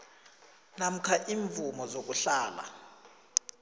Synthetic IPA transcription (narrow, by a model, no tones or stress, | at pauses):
nam̩kʰaʔiɱvumɔzok̬uɬaːla̰